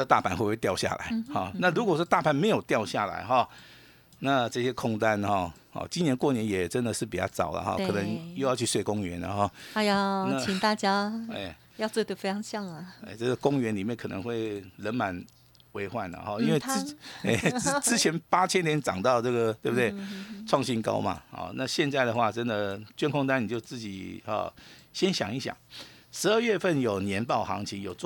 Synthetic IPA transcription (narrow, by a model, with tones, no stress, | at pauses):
a˥ə˧t̪a˥˩pʰa˨˩nxwe˥˧we˥˩t̪jɑ˥˧ʊɕja̰˥˩la̰˧˦ɪxɔ˥˩na˥˨˩ɻu˧˥kwɔ˨˩ʈ͡ʂt̪a˥˨pʰa˨˩nme˧˥ɪjo˨˩ʊt̪jɑ˥˧ʊɕja˥˩la̰˧˦ɪxɔ˥˩ | na˥˧ʈ͡ʂɤ˥˧ɕjɛ˥kʰɔ˥˩ŋt̪a˦nxɔ˥˩xɔ̰˥˩t͡ɕi˥njɛ˧˥nkwɔ˥˩njɛ˧˥njɛ˨˩ʈ͡ʂə˦nd̪ə˨ʂɻ̩˥˩pi˨˩t͡ɕjɑ̰˥˩ʊt͡sɑ˨˩ʊlə̰˦xɔ̰˥˩kɤ˨˩nə˧˦ŋjo˥˧ʊjʊt͡ɕʰy˥˧swe˥˩ɪkʊ˥ŋɥɛ̰˧˥nə̰˧xɔ˥˩a˥˧jɑ˥˩na˥t͡ɕi˨˩ŋt̪a˥˩t͡ɕja˥ḛ˥˩ | jɑ˥˧t͡so˥˧t̪o˥˧˩fe˥ɑ˧˥˦ŋɕjɑ˥˩ŋlə˨˩ḛ˥˩ɪʈ͡ʂɤ˥˩ɡə˩kʊ˥ŋɥɛ˧˥nli˨˩mjɛ˥˩nkʰɤ˨˩nə̰˧˦ŋxwe˥˩ɪlə˧˥nma˧˦n | we˧˥ɪxwa˥˩nə̰˩xɔ˥˩i˥nwe˥˩ɪ˥e˥˩ɪ˥t͡sɻ̩˥t͡ɕʰjɛ˧˥npa˥t͡ɕʰjɛ˥nt̪jɛ˧˥nʈ͡ʂɑ̰˨˩ŋt̪ɑ˥˧ʊʈ͡ʂɤ˥˩ɡə˩t̪we˥˩bə˨t̪we˥˩ɪʈ͡ʂʰwɑ˥˧ŋɕi˥nkɑ̰˥ʊma̰˨hɔ̰˨˩na˥˧ɕjɛ˥˧nt͡sa˥˩ɪd̪ə˩xwa˥˩ʈ͡ʂə˦nd̪ə˨t͡ɕɥɛ˥nkʰʊ˥˧ŋt̪̬a˥ni˨˩t͡ɕjo˥˧ʊt͡sɹ̩˥˩t͡ɕḭ˨˩xɔ̰˨˩ɕjɛ˥nɕjɑ̰˨˩ŋi˥˩ɕjɑ̰˨˩ŋʂɻ̩˧˥ə˥˧ɥɛ˥˧fə˥˩njo˨˩ʊnjɛ˧˥npɑ˥˩ʊxɑ̰˧˥ŋt͡ɕʰi˧˥ŋjo˨˩ʊt͡s